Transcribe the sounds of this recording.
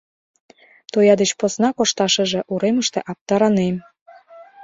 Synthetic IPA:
t̪ojɑd̪ət͡ɕposnɑkoʃt̪ɑʃə̆ʒĕʔuɾeməʃt̪ḛ̆ʔɑp̚t̪ɑɾɑnem

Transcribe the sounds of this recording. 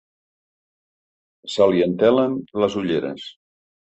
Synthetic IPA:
saliənt̪ɛlənləzuʎeɾə̰s

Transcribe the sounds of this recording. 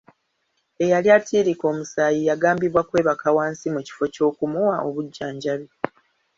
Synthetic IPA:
e̞jaljatʰiːɾiko̞ːmusaːjijaɡaːmbiβwakwe̞ːβakawaːnsimuci̥fo̞co̞ːkumuwaʔo̞βuɟːaːɲɟaβi

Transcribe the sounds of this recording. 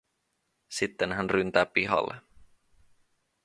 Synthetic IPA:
sit̪ːenɦænrynt̪æːpiɦɑ̰lːe

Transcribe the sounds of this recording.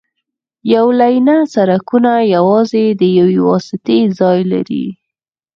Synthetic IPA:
jawlajnasaɾakunajawɑzed̪əjawewɑ̰sɪt̪ezɑjla̰ɾḭ

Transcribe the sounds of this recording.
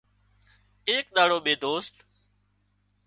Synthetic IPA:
eːk̚ɗ̪aːɽoːɓeːd̪oːst̪

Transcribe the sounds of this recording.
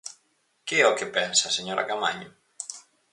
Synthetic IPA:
kɪɛokepɛnsaseɲoɾʔa̰kama̰ɲʊ

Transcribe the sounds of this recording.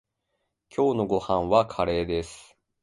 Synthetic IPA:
kʲʰo̞ːno̞ɡo̞hãɰ̃βakʰaɾe̞ːd̪esɨ̥

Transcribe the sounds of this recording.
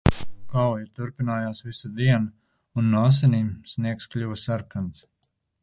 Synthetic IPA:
kawjit̪uɾpinaːjaːsvisad̪iɛna | unːɔs̬ɛnʲiːmsniɛksklʲuvasaɾkant̪s

